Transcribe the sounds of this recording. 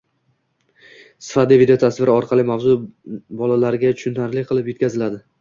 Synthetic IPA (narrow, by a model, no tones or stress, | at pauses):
sfad̪ivid̪eot̪ʰasvɪɾɪɒɾqʰɑlˠɪmavzʊbɒlalaɾɡʲat̪ʰʊ̥ʃʊnt̪ʰaɾlɪqʰɨlˠɪpjot̪kʲʰazɪlad̪ɪ